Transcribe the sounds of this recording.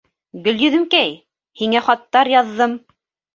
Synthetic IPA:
ɡɵ̆ljɵ̆ðɘ̆mkæj | hiŋæχɑt̪ːɑɾjɑðːɤm

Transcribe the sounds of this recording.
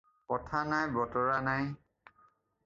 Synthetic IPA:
kɔtʰanajbɔtɔɹanaj

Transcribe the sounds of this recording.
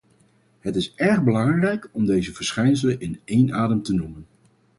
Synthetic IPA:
ɦətɪsɛɹχbəlɑŋrɛjkɔmdejzəv̥əɹsχɛjns̬ələnʔɪnejnaːdəmtənumən

